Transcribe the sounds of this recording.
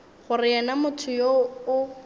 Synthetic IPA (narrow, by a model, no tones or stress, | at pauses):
χʊrɪɛnamʊtʰʊjoʊ